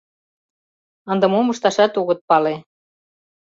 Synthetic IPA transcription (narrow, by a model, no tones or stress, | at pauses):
ə̆nd̪ə̆momuʃt̪ɑʃɑt̪uɣə̆t̪̚pɑle